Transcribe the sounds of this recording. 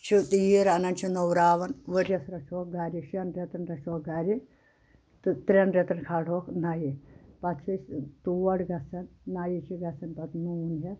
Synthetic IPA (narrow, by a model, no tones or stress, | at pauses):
t͡ʃit̪ijiɾanɐnt͡ʃʰinowɾaːʋɐnʋəɾʲjɐsɾɐt͡ʃʰoːk̚ɡaːɾʲiʃɐnɾet̪ɐnɾɐt͡ʃoːk̚ɡaːɾʲi | t̪t̪ɾʲɐnɾʲet̪ɐnkʰaːɽ̤oːknajipɐt̪t͡ʃʰist̪uʋɐɽɡɐsɐnːaːjit͡ʃʰiɡɐsɐnpɐt̪nuːnɦɐ